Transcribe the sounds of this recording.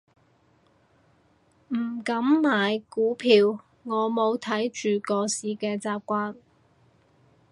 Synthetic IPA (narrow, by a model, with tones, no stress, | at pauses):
m̩˨˩kɐ˨˥mmaː˨jkuː˨˥pʰiː˨˧w | ŋɔː˨˧mo˨˧wt̪ʰɐ˨˥jt͡ʃyː˨kɔː˧siː˨˧kɛː˧t͡saː˨p̚kʷaː˧n